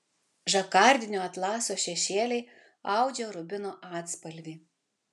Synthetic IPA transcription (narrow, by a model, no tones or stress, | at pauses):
ʒɐkɑˑɾʲd̪ʲɪnʲoːɐt̪lˠɑːsoːʃʲɛʃʲeːlʲɛɪ | ɑˑʊd͡ʒʲɛɾʊbʲɪnoːʔɑːt̪spɐlʲʋʲiː